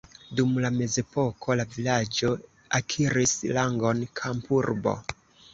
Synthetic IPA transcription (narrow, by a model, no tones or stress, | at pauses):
dumlame̞ze̞po̞kʰo̞lavilad͡ʒo | akʰiɾislaŋɡo̞nkʰampuɾbo̞̰